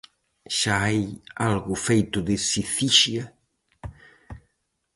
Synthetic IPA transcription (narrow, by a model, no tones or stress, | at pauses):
ʃaajalɣʊfejt̪ʊðesiθiʃiɐ